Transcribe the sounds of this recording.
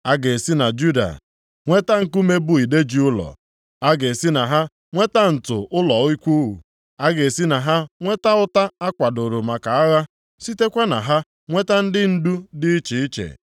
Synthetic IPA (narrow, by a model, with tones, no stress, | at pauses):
a˦ɡe˨si˦na˨d͡ʒu˦da̰˨ | ŋʷe˦ta˦ŋ̩˦ku˦me˦bʊ˦i˨de˦d͡ʒi˦ʊ˦lɔ̰˨ | a˦ɡe˨si˦na˨ɦa˦ | ŋʷe˦ta˦n̩˨tʊ˨ʔʊ˦lɔ˨˦i˦kʷu˦ɦṵ˨ | a˦ɡe˨si˦na˨ɦa˦ŋʷe˦ta˦ʊ˦ta˦a˦kʷa˨dʊ˨ɾʊ˨ma˨ka˨a˦ɣa˦ | si˦te˦kʷa˦na̰˨ɦa˦ | ŋʷe˦ta˦n̩˦dɪ˦n̩˦du˦dɪ˦i˦t͡ʃi˨i˦t͡ʃḛ˨